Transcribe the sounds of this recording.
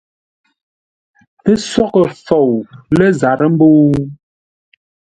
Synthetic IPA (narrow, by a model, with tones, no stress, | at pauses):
tə˦sɔ˦kə˨fo˨wlə˦za˨ɾə˦m̩˦bo˦